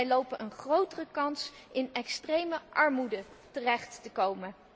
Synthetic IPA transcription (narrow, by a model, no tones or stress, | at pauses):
jlowpənʔənχrowtərəkɑnsʔɪnɛkstrejməʔɑɹmudə | tərɛχtːəkowmən